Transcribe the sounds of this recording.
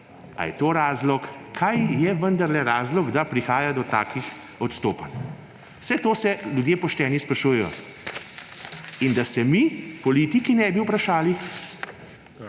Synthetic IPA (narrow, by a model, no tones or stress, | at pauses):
a̰jɛt̪oːɾaːzlɔkkʰːajjɛʋənd̪aɾlɛɾaːzlɔɡd̪apɾixaːjad̪ɔt̪aːkix | ɔt̪st̪oːpan | wsɛt̪oːsɛljud̪jeːpɔʃt̪ɛːnispɾaʃuːjɛjɔ̰ | ind̪asɛmipɔliːt̪ikinɛbiwpɾaʃaːli